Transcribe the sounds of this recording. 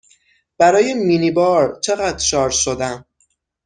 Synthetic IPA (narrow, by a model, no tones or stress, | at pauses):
b̥æɾɒːjemiːnibɒːɾt͡ʃʰe̞ɣæd̪̥ʃɒːɾʃod̪æm